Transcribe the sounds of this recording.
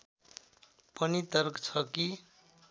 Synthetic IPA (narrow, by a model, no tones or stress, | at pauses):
pʌnit̪ʌrkt͡sʰʌki